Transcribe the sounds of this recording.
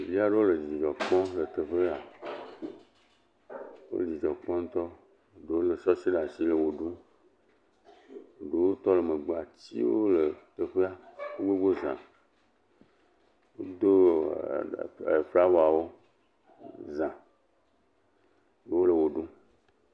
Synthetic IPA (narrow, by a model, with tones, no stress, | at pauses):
vi˦a˦ɖe˦wo˦lə˨d͡ʑi˨d͡ʒi˨d͡ʒɔ˨k͡pɔ̃˦lə˨t̪ə˨ɸe˦a˨ | wo̰˦li˨d͡ʒɔ˨k͡pɔ̃˦n̩˦t̪ɔ˦˨ | ɖo˨wo˦lə˨sɔ˦si˦la˨si˦lə˨wo˨ɖu˦˨ | ɖe˨wo˦t̪ɔ˦lə˨mə˨ɡ͡ba˨t͡ɕḭ˦wo̰˦lə˨t̪ə˨ɸe˦a˦wo˦ɡ͡be˦ɡ͡bo˦zã̰˨ | wo˦d̪o˦˨ | ɸe˦a˦wo˦a˨wo˦ | zã˨ | je˦wo˦lə˨wo˨ɖu˦